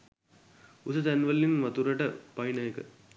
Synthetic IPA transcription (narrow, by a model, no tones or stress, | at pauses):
usɐt̪ænʋɐlːinʋɐt̪uɾɐʈɐpɐjnɐjekə